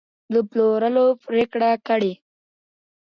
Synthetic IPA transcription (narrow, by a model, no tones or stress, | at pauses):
d̪əploɾəlopɾekɽakəɽe